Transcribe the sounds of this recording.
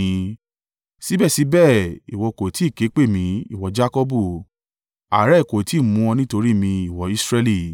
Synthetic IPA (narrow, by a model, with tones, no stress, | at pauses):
si˨˦bɛ˦˨si˨˦bɛ˦˨i˨wɔ˧ko˨ti˨˦˨ke˨˦k͡pe˦˨mĩ˧i˨wɔ˨d͡ʒa˦kɔ˦bu˦˨ | a˨ɾɛ˦˨ko˨ti˨˦˨mũ˧ɔ˧nĩ˦to˧ɾi˦mĩ˧i˨wɔ˨˦i˦sɾɛ˦li˦˨